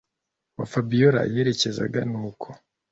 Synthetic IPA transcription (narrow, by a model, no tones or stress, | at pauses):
wafabijoɾa̰je̞ːɾe̞ce̞za̰ɡanuːkʰo̥